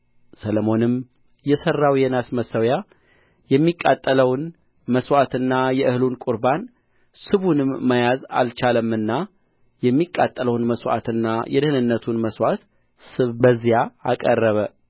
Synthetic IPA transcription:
sələmo̞nɨm | jɛsərːawjɛnasməsəwja | jɛmːikʼːat̪ʼːələwn | məswat̪ɨnːajɛʔɨhlunkʼʊɾban | sɨβunɨmːəjaza̰lt͡ʃaləmːɨnːa | jɛmːikʼːat̪ʼːələwnməswa̰t̪ɨnːajɛd̪ɨhɨnɨnːət̪ʰunməswat̪ | sɨβbəzːijaakʼərːəβə

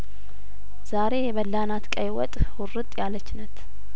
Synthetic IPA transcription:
z̥aɾe̞jɛβəlːanat̪kʼəjwɔt̪ʼwʊrɨt̪ʼjalət͡ʃːnət̪

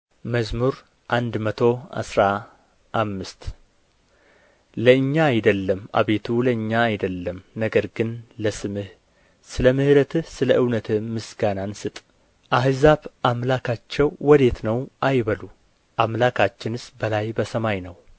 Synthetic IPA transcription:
məzmuɾ | ʔand̪mət̪ʰo̞a̰sɾa | ʔːmːɨst̪ | ləɨɲːaːjd̪əlːəma̰βe̞t̪ʰuləɨɲːaːjd̪əlːəmnəɡəɾɡɨnləsɨmɨh | sɨləmɨhɨɾət̪ʰɨhsɨləʔɨwnət̪ʰɨːɨsɡanansɨt̪ʼ | ʔaɦɨzaβamlakʰat͡ʃːɛwːɔd̪e̞t̪nəwʔajβəlu | ʔamlakʰat͡ʃːɪnɨsbəlajbəsəmajnəw

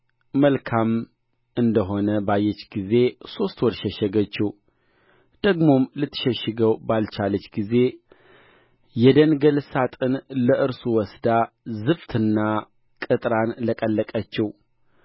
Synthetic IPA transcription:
məlkʰam | ʔɨnd̪əɦo̞nəbajːɛt͡ʃːɡize̞so̞st̪wɔɾʃəʃəɡət͡ʃːɛw | d̪̥əɡmo̞mlɨt̪ʰːɨ̥ʃəʃːɨɡəwbalt͡ʃalət͡ʃːɡize̞ | jɛd̪ənɡəlsat̪ʼɨnləʔɨɾsuwɔsd̪a | zɨft̪ʰɨnːa | kʼɨt̪ʼɾanləkʼəlːəkʼət͡ʃːɛw

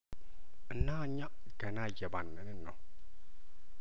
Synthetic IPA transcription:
ɨnːaɲa | ɡ̥ɐnajɛbanːəninːo̰

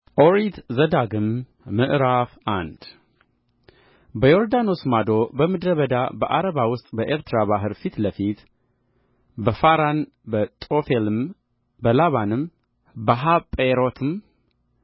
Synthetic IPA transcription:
ʔoɾit̪ʰzəd̪aɡɨmː | ɨʔɾafand̪ | bəjoɾd̪ano̞smad̪o̞bəmɨd̪ɾəβəd̪abəʔaɾəβawʊst̪ʼbəʔeɾt̪ɾaβaɦɨɾfit̪ləfit̪ | bəfaɾan | bət̪ʼofelɨm | bəlaβanɨm | bəɦapʼeɾot̪ʰɨm

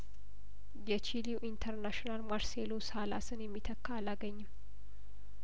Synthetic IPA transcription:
jɛt͡ʃiliwʔint̪ʰəɾnaʃinalmaɾseloshalasɨnjɛmːit̪ʰəkːaalaɡəɲːɪmː

